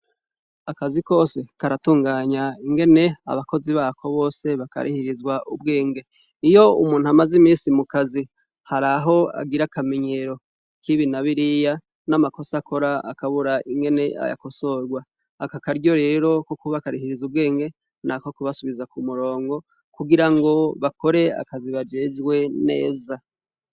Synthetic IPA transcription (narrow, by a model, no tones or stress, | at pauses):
akaziko̞ːse̞kaɾatuːŋɡaːɲaiŋɡe̞ne̞a̰βakoziβakʰo̞βo̞ːse̞βaka̰ɾʔḭhiɾizɡwaʔubɡe̞ːŋɡe̞ | ijo̞ṵmuːn̥uamazimiːsimukazi | haɾaɦo̞a̰ɡiɾakamiɲeɾo̞ | kʰiβinaβiɾija | namako̞sakʰo̞ɾaa̰kaβuɾaʔiŋɡe̞ne̞a̰ja̰ko̞so̞ɾɡwaː | kakaɾɟo̞ɾe̞ːɾo̞kokuβakaɾihiɾizubɡe̞ːŋɡe̞ | nakokuβasuβizakumuɾo̞ːŋɡo̞ | kuɡiɾaŋɡo̞βako̞ɾe̞a̰kaziβad͡ʒe̞ːd͡ʒɡwe̞ne̞̰ːza